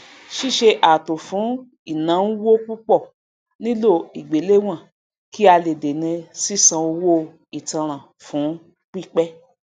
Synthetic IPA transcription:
ʃi˦˨ʃe˧ʔa˨to˨fũ˨˦ | i˦˨nã˨˦n̩˦wo˦k͡pu˦k͡pɔ˦˨ | nĩ˦lo˦˨i˨ɡ͡be˨˦le˦w̃ã˦˨ | ki˦a˧le˨de˨nĩ˧si˦˨sã˧o˧wo˦ | i˨tã˧ɾ̃ã˨ | fũ˨˦ | k͡pi˦˨k͡pɛ˦

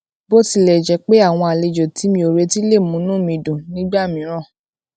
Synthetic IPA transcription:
bo˦ti˧lɛ˨d͡ʒɛ˧˦k͡pe˦a˦˨w̃ɔ̃˧a˨le˧d͡ʒo˨ti˨˦mĩ˧˦o˨ɾe˧˦ti˦le˦˨mũ˨˦nũ˦mĩ˧dũ˨nĩ˦ɡ͡ba˦˨mĩ˨˦ɾ̃ã˦˨

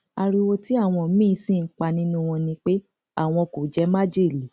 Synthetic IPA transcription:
a˧ɾi˧wo˧ti˦a˦˨w̃ɔ̃˧˨˦mĩː˦˨˧sĩ˦˨ŋ̩˦k͡pa˧nĩ˦nũ˦w̃ɔ̃˧nĩ˧k͡pe˦ | a̰˦˨w̃ɔ̃˧ko˨d͡ʒɛ˨˦ma˦d͡ʒi˦˨li˨˦

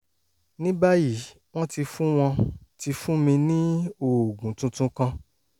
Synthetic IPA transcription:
nĩ˦ba˦ji˦˨˦ | w̃ɔ̃˦ti˧fũ˦w̃ɔ̃˧ti˧fũ˦mĩ˧nĩ˦o˦˨ɡũ˨˦tũ˧tũ˧kã˧

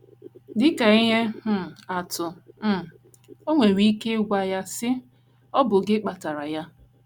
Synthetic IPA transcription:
dɪ˦ka˨i˦ɦe˦˨a˨tʊ˨m̩˨ | o˦ŋʷe˨ɾi˦ke˦ɡʷa˦ja˦sɪ˦ | ɔ˦bʊ˨ɡɪ˦k͡pa˨ta˨ɾa˨ja˦

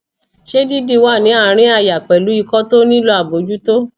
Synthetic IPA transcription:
ʃe˦di˦di˧wa˦˨nĩ˨˦a˦˨ɾ̃ĩ˦a˦˧˨ja˨k͡pɛ˨lu˨˦i˦˧kɔ˦to˦nĩ˦lo˦a˨bo˨˦d͡ʒu˦to˦

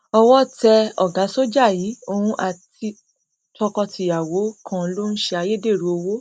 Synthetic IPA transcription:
ɔ˧wɔ˦tɛ˧ɔ˨ɡa˨˦so˦d͡ʒa˦˨jiː˨˦o˧hũ˧ʔa˨ti˧ | tʰɔ˧kɔ˧tʰi˧˨ja˨wo˨˦kʰã˦˧lo˦n̩˦ʃɛ˧a˧je˦de˦˨ɾu˨˦o˧wo˦

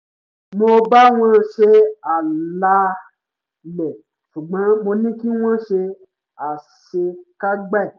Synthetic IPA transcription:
mo˧ba˦w̃ã˦ɾʃe˧a˨la˧ | lɛ˨ | su˨ɡ͡bã˨˦mo˧nĩ˦kĩ˦wã˦ɾʃe˧ | a˨ | ʃe˧ka˦ɡ͡ba˦i˨

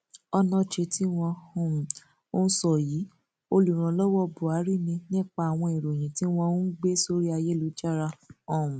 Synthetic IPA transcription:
ɔ˧nɔ̃˦ʃe˧ti˦w̃ɔ̃˧hũ˦˨ | o˦n˦sɔ˦˨jiː˨˦ | o˧lu˨ɾ̃ã˨˦lɔ˦wɔ˦bu˨a˨˦ɾi˦˨nĩ˧nĩ˦˨k͡pa˧˨a˨w̃ɔ̃˧e˨ɾo˨j̃ĩ˨ti˨˦w̃ɔ̃˧˦ɡ͡be˦so˦ɾi˦a˧je˦lu˨˦d͡ʒa˦˨ɾa˧ɔ˦˨ũ˨

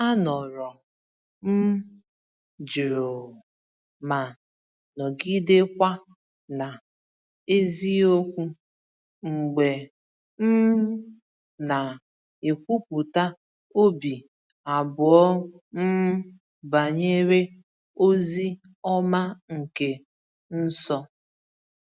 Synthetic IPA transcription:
a˦nɔ˨ɾɔ˨ | m̩˦ | d͡ʒɾo˨ | ma˨ | nɔ˨ɡi˦de˦kʷa˦ | na˨ | e˦zi˦o˦kʷu˦ | ŋ̩˨ɡ͡be˨ | m̩˦ | na˨ | e˨kʷu˦pu˨ta˦ | o˦bi˨ | a˨bʊ˨ɔ˦ | m̩˦ | ba˨ɲe˦ɾe˦ | o˦zi˦ | ɔ˦ma˦ŋ̩˨ke˨ | n̩˦sɔ˦

